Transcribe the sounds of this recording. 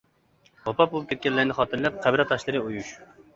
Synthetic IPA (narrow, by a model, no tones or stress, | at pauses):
wɑpɑbolˠup̚kʰʲɛt̪kʲɛlːæɾnɪχɑːt̪ʰɨɾlɛp̚qʰæbɪɾɛt̪ʰːɑʃlˠɨɾɨujuʃ